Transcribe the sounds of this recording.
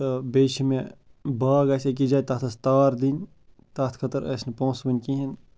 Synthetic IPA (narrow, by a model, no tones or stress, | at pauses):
ɐbeʃimẽbaːɡɐsʲek̬id͡ʒaːt̪aːt̪ʰɐst̪aːɾd̪in | t̪aːt̪ʰkʰɐt̪ɐɾɐ̰snɐpõːsbɐnʲkĩɦin